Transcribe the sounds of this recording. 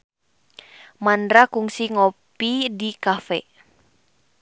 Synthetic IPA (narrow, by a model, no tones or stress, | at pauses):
mandɾakuŋsiŋopidikafɛ̰